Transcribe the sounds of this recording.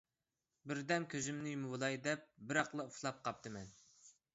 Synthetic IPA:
bɪɾd̪ɛmkʲʰøzymnɪjmɨwɨlˠɑjd̪ɛp̚bɪɾɑqlˠɨuflˠɑp̚qʰɑp̚t̪ɨmɛn

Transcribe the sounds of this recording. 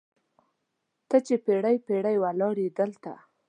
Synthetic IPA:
t̪ət͡ʃepeɽajpeɽajwalɑɾid̪əlt̪a̰

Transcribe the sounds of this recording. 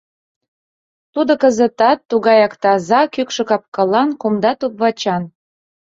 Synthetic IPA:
t̪ud̪okə̆zə̆t̪ɑt̪ːuɣɑjɑkt̪ɑzɑkykʃɤ̆kɑp̚kɑlɑnkumd̪ɑt̪upβɑt͡ɕɑn

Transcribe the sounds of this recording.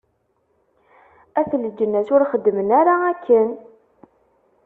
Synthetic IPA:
æθləd͡ʒːənːæsʊɾχəd̪ːmənæɾaækʰːən

